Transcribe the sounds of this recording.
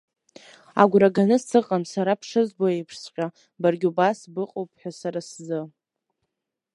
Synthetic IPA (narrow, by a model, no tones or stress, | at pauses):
a̰ɡʷɾaɡanɨssɨqʼamsaɾapʰʂɨzboejpʰʂsqʲʼa | barɡʲubasbɨqʼowpʰʼħʷᶣasaɾaszɨ